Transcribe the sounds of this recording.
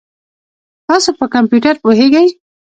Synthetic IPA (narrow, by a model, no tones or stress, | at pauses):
t̪ɑsopəkampjuʈaɾpoɦeɡaj